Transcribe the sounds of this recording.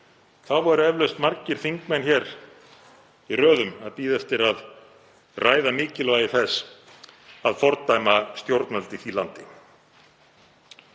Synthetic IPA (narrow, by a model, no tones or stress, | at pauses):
θawvɔɾʏɛvlœst̪maɾcɪɾ̥θiŋkmɛnçɛɾ | irœːðʏma̰ðpiːðɛft̪ɪɾað | rʔaːjðamɪːcɪlvaːjɪθɛs | aðfɔɾt̪ajmast̪jowɾt̪nɛlt̪ɪθiːlant̪ɪ